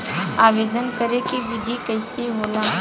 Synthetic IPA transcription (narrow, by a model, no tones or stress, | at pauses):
aːʋeːd̪ənkəɾekiʋɪd̪ʱikɐɪseɦoːlaː